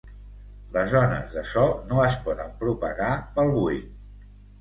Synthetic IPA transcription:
ləzɔnə̰zðəsɔnoəspɔðəmpɾupə̰ɣapəlˠβui

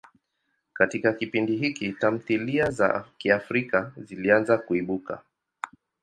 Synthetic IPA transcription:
katikakipindiɦikitam̩θiliaza̰kiafɾikazilianzakuiɓuka̰

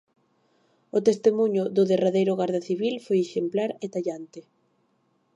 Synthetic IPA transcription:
ʊt̪est̪emuɲʊðʊðeraðejɾʊɣaɾðaθiβilfojeʃemplaɾet̪aʎant̪ɪ

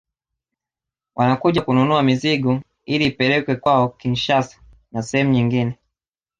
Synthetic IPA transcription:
wʔanakuʄakununuamiziɡɔ | ilipɛlɛkwɛkwaɔkinʃasḁ | nasɛhɛmuɲiŋɡinɛ

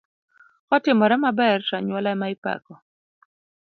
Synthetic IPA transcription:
kɔtɪmɔɾɛmabɛrʃaɲwɔlamaɪpa̰kɔ

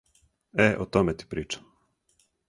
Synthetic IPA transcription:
ɛʔɔt̪ɔmɛt̪i̥pɾiːt͡ʃḁ

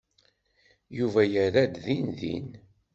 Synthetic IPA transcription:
juvæjəɾæd̪ðinðḭn

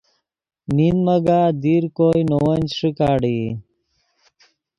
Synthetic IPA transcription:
ninməɡaːd̪iɾkojnowənd͡ʑʂikaːɽi

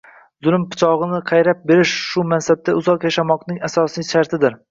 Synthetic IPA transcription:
zʊlˠɪmpɪ̥t͡ʃʰɒʁɨnɪqʰɑjɾap̚be̞ɾɪʃʃʊmansab̚t̪ʰaʊzɒqjaʃamɒqnɪŋasɒsijʃaɾt̪ʰɪd̪ɪɾ

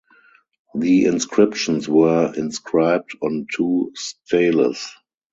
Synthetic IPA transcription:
ðiɪ̃nskʰɹɪpʃə̃nswɜ˞ɪ̃nskʰɹaɪb̚dɔ̃ntʰuːstʰeɪlə̰s

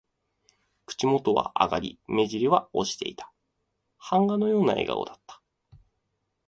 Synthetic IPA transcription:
kɯ̟̥t͡ɕimo̞t̪o̞βa̰ʔa̰ɡaɾʲḭme̞ʑiɾʲiβao̞ɕi̥t̪e̞̰it̪ʰḁ | hãŋɡano̞jo̞ːnae̞̰ɡa̰o̞̰d̪at̪ːḁ

